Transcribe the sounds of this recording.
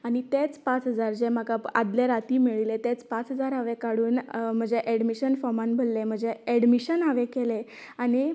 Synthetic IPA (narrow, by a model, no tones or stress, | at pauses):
aɽ̃it̪et͡spãt͡sɦəd͡zaɾd͡ʑem̤akaa̰d̪ljaɾat̪iːmiɭilet̪et͡spat͡sɦəd͡zaɾaʋekaɽuːnm̤əd͡zeʔɛɽmiɕənfɔmãnbʱəlːem̤əd͡zeɛɽmiɕənaʋekeleaɽ̃i